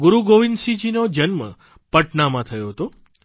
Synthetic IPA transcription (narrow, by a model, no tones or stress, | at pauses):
ɡuɾuɡoʋinsid͡ʒinod͡ʒənmə̰ | pəʈnamãt̪ʰəjoɦət̪o